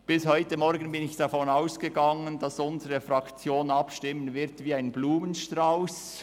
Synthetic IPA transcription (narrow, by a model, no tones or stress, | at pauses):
b̥ɪshɔʏtəmɔɾɡən̩bɪnɪçd̥ɑfɔnaʊsɡ̥əɡɑŋəndɑsʊnzəʁəfʁɑkt͡sjoːnɑpʃtɪmːənvɪʁtviːaɪnbluːmənʃtʁaʊs